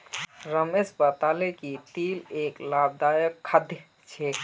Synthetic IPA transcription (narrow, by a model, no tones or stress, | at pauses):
ɾəmesbat̪aːlekit̪iːleːklaːb̚d̪aːjəkʰːəd̪ʱj | t͡ʃʰeː